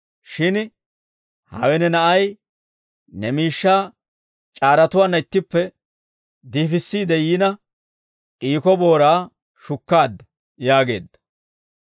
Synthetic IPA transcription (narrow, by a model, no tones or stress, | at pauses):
ʃɪn | hɐ̰wɛnɛnɐʔɐj | nɛmiːʃːaː | t͡ʃʼaːɾɐt̪ʊwaːnːɐɪt̪ːɪpːɛ | d̪iːfɪsːiːd̪ɛjiːnɐ | ʔʼiːkɔbo̞ːɾaː | ʃʊkːaːd̪ːɐ | jaːɡe̞ːd̪ːɐ̥